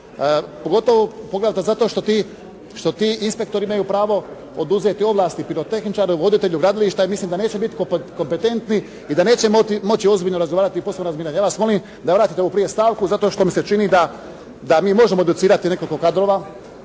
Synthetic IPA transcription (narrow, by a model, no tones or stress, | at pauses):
poɡo̞t̪oʋopoɡle̞d̪at̪ezat̪o̞ʃt̪ot̪i | ʃt̪o̞t̪iːinspe̞kt̪o̞ɾiimajupɾaːʋo̞ | od̪uzet̪io̞ʋlˠaːst̪ipiɾot̪e̞xnit͡ʃaːɾeuʋo̞d̪it̪e̞ʎuɡɾad̪oliʃt̪aimislimd̪ane̞ːt͡ɕebit̪i̥koko̞mpet̪e̞nt̪ni | id̪ane̞ːt͡ɕe̞mot̪imot͡ɕio̞zbiʎnoɾazɡoaːɾat̪iposebnoɾazmiːɾaɲjaːʋasmo̞lim | d̪aʋɾaːt̪it̪eupɾije̞st̪aːʋkuzat̪o̞ʃt̪o̞mise̞t͡ʃinid̪a | d̪amiːmo̞ʒemoed̪ut̪siːɾat̪ine̞koliko̞kad̪ɾo̞ːʋa